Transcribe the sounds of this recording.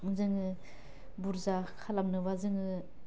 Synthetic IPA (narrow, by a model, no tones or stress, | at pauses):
zɯŋɯ | buɾzakʰalamnɯwazɯŋɯ